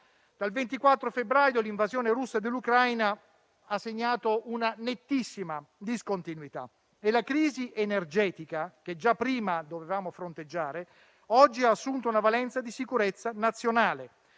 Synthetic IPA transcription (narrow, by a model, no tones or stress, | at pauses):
d̪̥alvent̪ikwat̪ːɾofebɾaːjoliɱvazjɔːneɾusːad̪elːukɾajna | asːeɲːaːt̪ounanet̪ːisːimad̪iskont̪inwit̪a̰ | elakɾiːziʔenerd͡ʒɛːt̪ikak̟ed͡ʒapːɾiːmad̪ovevaːmofɾont̪ed͡ʒːaːɾe | ɔd͡ʒːiaːsːunt̪ounavalɛnt̪sad̪isikuɾet̪sːanat̪sːjonaːle